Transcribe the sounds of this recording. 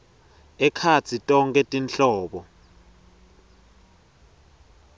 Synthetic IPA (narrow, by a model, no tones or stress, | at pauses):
ɛkʰat͡sʰitʼɔŋkʼɛtʼinɬɔːɓɔ